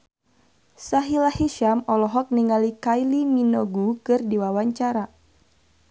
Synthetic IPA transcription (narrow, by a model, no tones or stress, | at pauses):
saɦilahiʃamɔlɔɦɔk̚niŋalikajliminɔɡukɨrdiwawaɲt͡ʃaɾa